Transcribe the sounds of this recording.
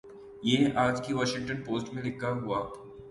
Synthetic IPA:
jeaːd͡ʒkiʋɔːʃɪ̃ŋʈənpoːsʈmẽlɪkʰːaɦuaː

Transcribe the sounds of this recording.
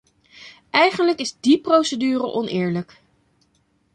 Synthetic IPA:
ʔɛjχənləkɪzdiprowsədyːrə̰ʔɔnʔɪːɹlək

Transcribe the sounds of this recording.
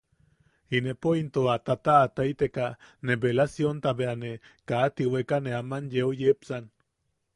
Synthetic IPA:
inepoint̪oat̪at̪aːt̪ajt̪ekanebelasjont̪aβeane | kaːt̪iwekaneamanjeojepsan

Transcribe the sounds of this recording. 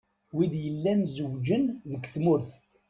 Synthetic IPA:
wiðjəlːænzəwd͡ʒənðəɡθmʊɾθ

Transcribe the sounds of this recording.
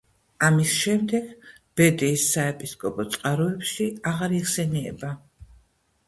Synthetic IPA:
amisʃɛmd̪ɛɡ̥ | b̥ɛd̪ɛːsːaɛpʼiskʼɔpʼɔt̪sʼqʼaɾɔɛpʃiaʁaɾiχsɛniɛ̰ba

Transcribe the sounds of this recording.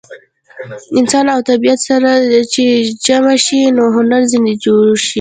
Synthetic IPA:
ɪnsɑnawt̪abijat̪saɾat͡ʃed͡ʒamaʃinoɦʊnaɾzɪnd̪id͡ʒoɾʃi

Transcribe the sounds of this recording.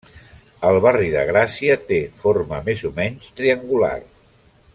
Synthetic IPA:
əlˠβariðə̰ɣ̞ɾasiət̪efoɾməmezumɛɲst̪ɾiəŋɡula̰r

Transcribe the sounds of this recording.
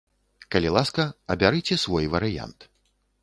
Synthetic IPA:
kɐlʲilˠaskɐɐbʲaɾɨt͡sʲɛsvɔjvɐɾɨja̰nt̪

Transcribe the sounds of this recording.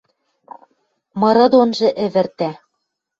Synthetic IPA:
mɤ̆ɾɤ̆d̪onʒɤ̆ʔɘ̆βɘ̆rt̪æ

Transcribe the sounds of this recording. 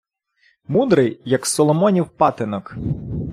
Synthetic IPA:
mud̪ɾɪjːɐksɔlˠɔmɔnʲiwpɑt̪ɪnɔk

